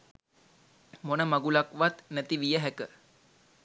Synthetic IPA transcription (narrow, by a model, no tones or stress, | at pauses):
monəmaɡulakʋat̪næt̪iʋijəɦækə